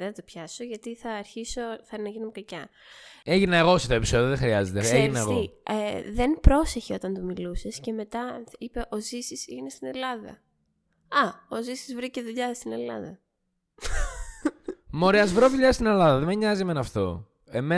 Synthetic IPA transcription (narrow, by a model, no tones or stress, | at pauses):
eθɐt̪opçɐsoʝɐt̪iθɐːɾçiso̞θɐnɐʝinumekɐcɐ | eʝinɐeɣo̞seft̪oepi̥so̞ðioðexɾiɐzet̪eeʝinɐeɣoieðe̞npɾo̞se̞çeo̞t̪ɐnt̪umilusesce̞me̞t̪ɐipe̞ʔo̞zisisiʝinest̪ine̞lɐðɐ̰ | ɐozisizvɾiceðuʎɐst̪ine̞lɐ̰ðɐ | mo̞ɾeɐzvɾoðuʎɐst̪ine̞lɐðɐðemeɲɐziemenɐft̪o̞̰ | eme